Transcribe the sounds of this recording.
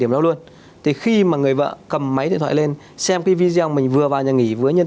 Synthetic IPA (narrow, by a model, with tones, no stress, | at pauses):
ɗi˧˩əmɗa˧wlu˧ən | t̪ʰi˨˩xi˧maː˨˩ŋɨ˨˩əjvə̰ː˧˨kə˨˩mːa˨˦j̪ḭ˨˧˨t̪ʰa̰ː˧˨le˧n | sɛ˧mkaː˨˦vi˧zi˧ɔ˧wmï˨˩ŋ̟vɨ˨˩əvaː˨˩wɲə̰˧˨˩ŋi˧˩vɨː˨˦jɲə˧n